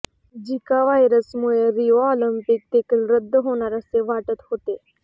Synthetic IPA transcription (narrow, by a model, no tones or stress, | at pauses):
d͡ʒɪkaʋaːjɾəsmoeɾiːoɔːləmpɪk̚t̪eːkəlɾəd̪ːɦoːnaɾəseʋaːʈət̪hoːt̪eː